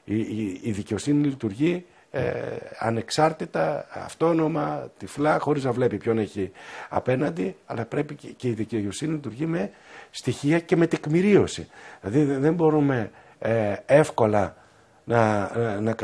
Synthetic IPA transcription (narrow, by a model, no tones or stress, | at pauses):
iːðice̞o̞sinilit̪uɾʝḭ | ɐ̰ne̞ksɐɾt̪it̪ɐɐ̰ft̪o̞no̞mɐt̪iflɐxo̞ɾiznɐvle̞pipço̞ne̞çiɐ̰pe̞nɐnd̪iɐlɐpɾe̞pice̞iðiceoo̞sininlit̪uɾʝime̞st̪içiɐce̞me̞t̪ekmiɾio̞sḭilɐðiðe̞mbo̞ɾume̞ | efko̞lɐ | nɐnɐk